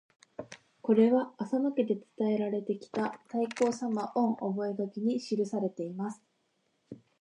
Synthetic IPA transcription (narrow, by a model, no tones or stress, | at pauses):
ko̞ɾe̞βaːsanoked̪e̞t͡sɨ̥t̪ae̞ɾaɾe̞t̪e̞kʲi̥t̪at̪aiko̞ːsamaʔõ̞ɴ̃ʔobo̞e̞ɡakʲiɲ̟iɕiɾɯ̟saɾe̞t̪e̞imasɨ̥